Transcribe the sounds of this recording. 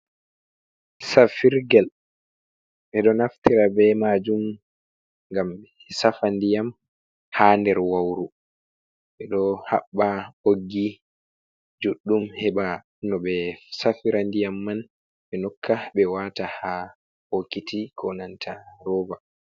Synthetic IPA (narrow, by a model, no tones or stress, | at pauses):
safiɾɡɛl | ʔɛɗɔnaftiɾabɛmad͡ʒum | ŋɡamɓɛ | safandijam | handɛɾwawɾu | ɓɛɗɔha̰ɓːaoɡːi | d͡ʒuɗːumhɛɓa | nɔɓɛsafiɾandijamːan | ɓɛnɔkʰːaɓɛwataha | hokitikʰɔnantʰaɾɔːva